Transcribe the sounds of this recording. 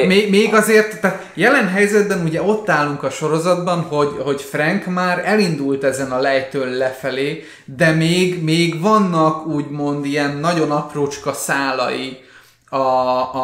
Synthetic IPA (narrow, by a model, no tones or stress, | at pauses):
meːɡmeːɡɒzeːrt̪ːaːt̪ | jɛlɛnɦɛjzɛd̪̚bɛnuɟɛo̞t̪ːaːlːuŋkɒʃo̞ɾo̞zɒd̪bɒnɦo̞ɟho̞cfrɛŋkmaːɾɛlind̪ult̪ɛzɛnɒlɛjt̪ølːɛfɛleː | d̪ɛmeːɡmeːɡvɒnːɒkuːɟmo̞nd̪ijɛnːɒɟo̞nɒproːt͡ʃkɒsaːlɒ̰ji | ɒ